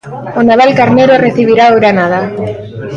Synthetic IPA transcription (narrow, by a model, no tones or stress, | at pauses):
onaβalkaɾneɾoreθiβiɾaoɾanaða